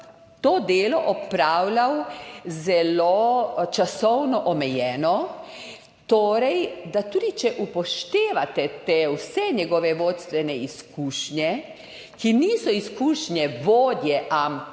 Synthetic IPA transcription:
t̪oːd̪eːlɔʔɔpɾaːwlawzɛlot͡ʃasɔwnɔʔɔmɛjɛːnɔ | t̪oːɾɛjd̪at̪uːd̪it͡ʃɛʔupɔʃt̪eːʋat̪ɛt̪ewsɛɲɛɡɔʋɛʋoːt̪st̪ʋɛnɛiskuːʃɲjɛ | kiniːsɔiskuːʃnjɛʋoːd̪jɛʔam

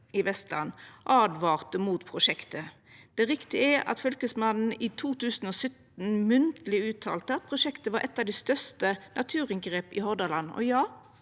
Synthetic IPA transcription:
ɪʋɛst̪lʔɑ̰nːʔɑːd̪ʋɑːʁt̪əmuːt̪pʰʁʊʂɛkt̪ə | d̪̥ɛʁɪkt̪ɪæʔɑ̰t̪fʏlkəsmɑnn̩it̪ʰuːt̪ʰʉːsn̩ɔːsœt̪nmʉnt̪əlɪʉːt̪ʰɑ̰ːlt̪əɑt̪̚pʰʁʊʂɛkt̪əʋɑːɾʔɛt̪ːɑʋd̪ɛst̪œʁst̪ənʔɑt̪ʰʉːʁɪŋɡʁeːpɪ̰hɔʁd̪ɑlɑnːɔ̰jɑː

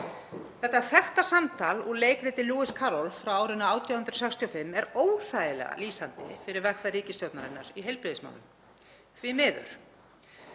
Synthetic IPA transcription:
θɛht̪ːaθɛht̪asamt̪ʰaluleːjkɾɪt̪ɪluːɪskʰaːɾɔlfɾawaːwɾɪnːaaːwt̪ʰjawhʏnt̪ɾʏ̥ɾ̥sɛkst̪ʰiofɪmːɛɾoːwθajɪlɛ̰ɣa̰liːsant̪ɪ̰fɪɾɪɾvɛxfarɾiːcɪst̪jowt̪naðɪnːa̰ɾiɦejlpɾɪðɪsma̰wnʏm | θvɪmɪːðʏ̰ɾ̥

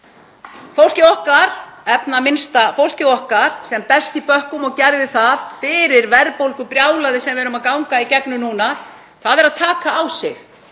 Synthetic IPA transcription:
fowl̥cɪɔhkaɾ̥ɛpnamɪnst̪afowl̥cɪɔhkaɾ̥sɛmpɛst̪ipœhkʏmɔɣcɛɾðɪθaðfɪɾɪɾvɛɾpowlkʏpɾjaːwlaðɪsɛmvɛɾʏmaðkawŋkaicɛknʏnuːna | θaðɛɾaðt̪ʰaːkaːwsɪx

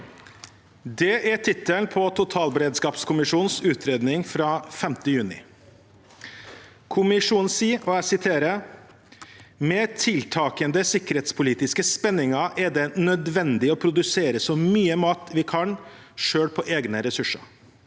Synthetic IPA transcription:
d̪ɛʔæʈʰɪt̪ːəlnpʰɔt̪ʰʊt̪ʰɑːlbəɾeːd̪skɑːpskʰʊmɪʂuːnsʉːt̪ʰɾeːd̪nɪŋfɾɑːfɛmt̪əjʉːnɪ̰ | kʰʊmɪʂuːnn̩siːɔɛsɪt̪ʰeːɾə | mɛt̪ʰɪlt̪ʰɑːkənd̪əsɪkːəɾheːt̪spʰʊliːt̪ɪskəspɛnːɪŋɑɾʔɛɖɛnœd̪ʋɛnd̪ɪɔpʰɾʊd̪ʉseːɾəsɔmyːəmɑːt̪ʋɪkʰɑn | ʂøːɽpʰɔʔeːɡnəɾɛsʉʂə̰ɾ

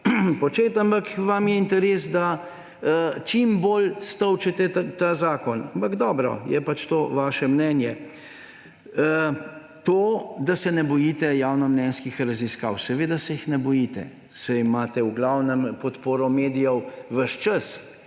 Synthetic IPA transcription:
pɔt͡ʃeːt̪ampakʋamjɛint̪ɛɾeːsd̪a | t͡ʃimboːlst̪ɔwt͡ʃɛt̪ɛt̪azaːkɔnampɐɡd̪ɔːbɾɔ̰jɛ̰pat͡ʃt̪oːʋaːʃɛmnɛnjɛ | t̪oːd̪asɛnɛbɔjiːt̪ɛjaːwnɔmnɛnskixɾɐziska̰ːwsɛʋeːd̪asɛjixnɛbɔjiːt̪ɛ̰ | sɛjmaːt̪ɛwɡlaːwnɛmpɔt̪poːɾɔmeːd̪ijɔwʋəʃt͡ʃəs

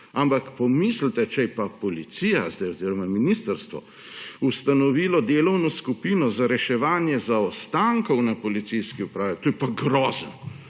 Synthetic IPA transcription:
ampakpɔmisl̩t̪ɛt͡ʃɛjpapɔlit̪sijazd̪ɛjɔziːɾɔmaminist̪əɾst̪ʋɔ̰ | ust̪anɔʋiːlɔd̪eːlɔwnɔskupiːnɔzaɾɛʃɛʋaːnjɛzaɔst̪aŋkɔwnapɔlit̪sijskiupɾaːʋit̪ojpaɡɾɔːzən

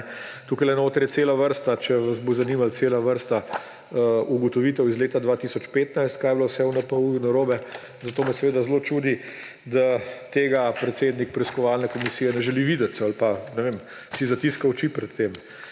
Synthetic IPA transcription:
t̪uːkajlɛnoːt̪ɾjɛt̪seːlaʋəɾst̪at͡ʃɛʋazbozaniːmalt̪seːlaʋəɾst̪a | uɡɔt̪ɔʋiːt̪ɛwizleːt̪ad̪ʋaːt̪isɔt͡ʃpeːt̪najst̪kaːjɛblawsɛwnapaunaɾoːbɛ | zat̪oːmɛsɛʋeːd̪azlot͡ʃud̪i | d̪at̪eːɡapɾɛt̪seːd̪nik̚pɾiskɔʋaːlnɛkɔmisiːjɛnɛʒɛliʋiːd̪ɛt̪salpanɛʋem | sizat̪iskawt͡ʃipɾɛt̪ʰːem

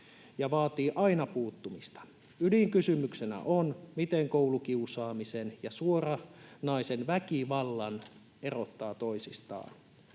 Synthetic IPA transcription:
jɑʋɑːt̪iːʔɑinɑpuːt̪ːumist̪ɑ̥ | yliŋkysymyksenæ̰ʔonmit̪eŋkoulukiusɑːmisenjɑsuorɑnɑisenʋækiʋɑlːɑn | ero̞t̪ːɑːt̪oisist̪ɑ̰ːn

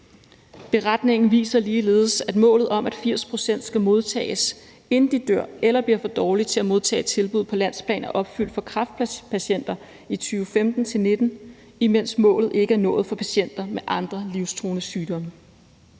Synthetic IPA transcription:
b̥e̝ʁɑd̥ne̝ŋn̩ʋḭːsɐliːle̝ːðˠəsæd̥mɔ̰̽ːlð̩ˠɒ̽mʔæd̥fiɐ̰spʰʁo̝sen̰d̥sɡ̥æmo̝ð̞ˠt͡sʰɛ̰ːɪs | e̝nn̩d̥id̥øɐ̰elɐb̥liɐfɒ̽d̥ɒːli̥t͡sʰe̝læmo̝ð̞ˠt͡sʰɛ̰ːed̥t͡sʰe̝lb̥uð̰ˠpʰɒ̽læn̰spʰlɛ̰ːnæʔɒ̽b̥fyl̰d̥fɒ̽kʰʁɑ̈fd̥̚pʰæɕen̰d̥ɐ | it͡sʰyːʊəfemd̥n̩t͡sʰe̝lne̝d̥n̩ | imen̰smɔ̰̽ːlð̩ˠe̝ɡ̥əæɐnɔ̽ːð̞̩ˠfɒ̽pʰæɕen̰d̥ɐmeʔɑ̈nd̥ʁɐliʊst͡sʰʁoːnəsyːd̥ɒ̽mə

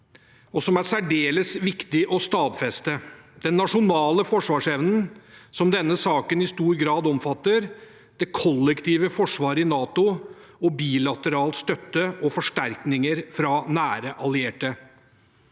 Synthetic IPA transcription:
ɔsɔmæɾsæɖeːləsʋɪkt̪ɪʔɔst̪ɑːbfɛst̪əd̪̥ɛnːɑʂʊnɑːləfɔʂʋɑːʂɛʋnənsɔmd̪ɛnːəsɑːkənɪst̪uːɾɡɾɑːd̪ɔmfɑt̪ːəɾ | d̪̥ɛkʰɔlːɛkt̪iːʋəfɔʂʋɑːɾəɪnɑːt̪ʊ | ɔbiːlɑt̪əɾɑːlt̪st̪œt̪ːəʔɔfɔʂʈæɾknɪŋəɾfɾɑnæːɾəʔɑlɪeːʈə

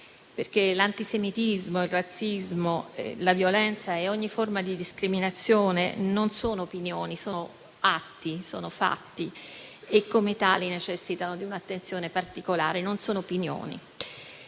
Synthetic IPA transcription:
perk̟elant̪isemit̪izmoilrat̪sːizmo̰lavjolɛnt̪saeɔɲːiformad̪id̪iskɾiminat̪sːjoːnḛnonsoːnoːpinjoːnisoːo | at̪ːiso̰ːnofa̰t̪ːi | ekːomet̪aːlinet͡ʃɛsːit̪anod̪iunat̪ːent̪sjoːnepart̪ikola̰ːɾenonsoːnoopinjo̰ːnḭ

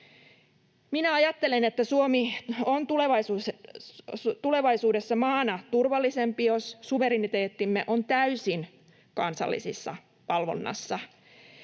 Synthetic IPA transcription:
minæɑjɑt̪ːelenet̪ːæsuomiont̪uleʋɑisuːs | t̪ule̞ʋɑisuːde̞sːɑmɑːnɑt̪urʋɑlːisempijossuʋe̞ɾinit̪eːt̪ːimːeʔont̪æysin | kɑnsɑ̰lːḭsḭsːɑ̰ | pɑlʋo̰nːɑ̰sːɑ

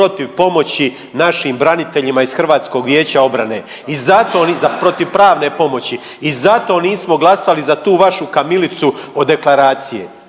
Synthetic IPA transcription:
o̞t̪iʋpo̞mo̞t͡ɕi | naʃimbɾanit̪e̞ʎimaizxr̩ʋaːt̪sko̞ːɡʋje̞ːt͡ɕao̞bɾane̞ː | izat̪o̞ːzapɾo̞t̪iʋpɾaːʋne̞po̞mo̞t͡ɕiː | zat̪o̞ːniːsmo̞ɡlˠasalizat̪uːʋaʃukamilit̪suod̪e̞klˠaɾaːt̪sijḛ

